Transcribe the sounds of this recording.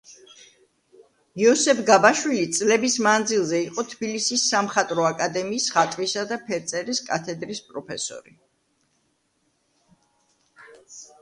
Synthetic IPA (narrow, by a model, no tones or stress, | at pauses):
iɔsɛpʰɡabaʃwilit̪sʼlɛbismand̪zilˠzɛiqʼɔt̪ʰbilisisːamχat̪ʼɾɔakʼad̪ɛmiːsχat̪ʼvisad̪apʰɛɾt̪sʼɛɾiskʼa̰t̪ʰɛd̪ɾispʼɾɔpʰɛsɔ̰ɾi